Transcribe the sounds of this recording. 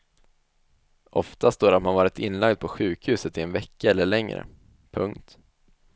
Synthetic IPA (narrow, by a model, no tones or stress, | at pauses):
ʔɔft̪ast̪oːɾat̪manvɑːɾɪt̪ʰɪnːlaɡd̪̚pʰɔɧʉ̟ːkhʉ̟ːsət̪ɪɛnvɛkːaɛlːəɭɛŋɾə̰ | pʰɵ̰ŋkt̪